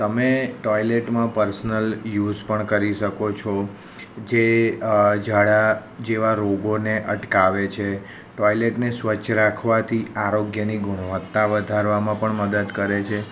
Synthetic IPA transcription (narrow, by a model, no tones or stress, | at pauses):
t̪əmeʈɔjleʈmãpəɾsnəljuzpəɳkəɾiʃəkot͡ʃʰɔ | d͡ʒe | d͡ʒaɽad͡ʒeʋaɾoɡoneʔəʈkaʋet͡ʃʰe | ʈɔjleʈnesʋət͡ʃʰɾakʰʋat̪ʰiaɾoɡjəniɡʊɽ̃əʋət̪ːaʋəd̪ʱaɾʋamãpəɳməd̪əd̪kəɾet͡ʃʰe